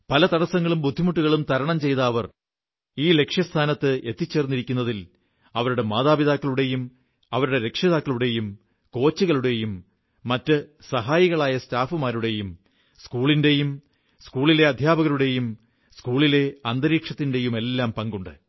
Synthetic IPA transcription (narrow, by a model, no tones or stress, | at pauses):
pɐlɐt̪ɐɽɐsɐŋːɐɭumbud̪ʱːimuʈːuɣɐɭumt̪ɐɾɐɳɐmt͡ɕe̞jt̪ɐːʋɐr | iːle̞kʂjɐst̪ʰaːnɐt̪ːɨʔe̞t̪ːit͡ɕːe̞ːrnːiɾikʲːunːɐðil | ɐʋɐɾuɽe̞maːðaːbiðaːkːɐɭuɽe̞jum | ɐʋɐɾuɽe̞ɾe̞kʂjɐðaːkːɐɭuɽe̞jum | ko̞ːt͡ɕːuɣɐɭuɽe̞jumː | ɐtːɨsɐɦaːjiɣɐɭaːjɐstaːfumaːɾuɽe̞jum | skuːɭinde̞jum | skuːɭile̞ɐd̪ʱjaːbɐɣɐɭuɽe̞jum | skuːɭile̞ɐnd̪ɐɾiːkʂɐt̪ːinde̞jume̞lːaːmpɐŋɡuɳɖɨ̰